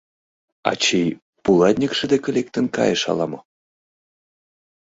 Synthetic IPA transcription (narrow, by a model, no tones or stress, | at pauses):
ɑ̰t͡ɕej | pulˠɑt̪ʲnʲikʃɘ̆d̪ekʲĕlek̚t̪ə̆nkɑ̰jəʃɑ̰lɑmɤ